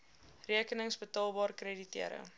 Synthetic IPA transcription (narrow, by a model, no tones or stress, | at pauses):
riəkənəŋsbətɑːlˠbɑːrkreditiəɾə̰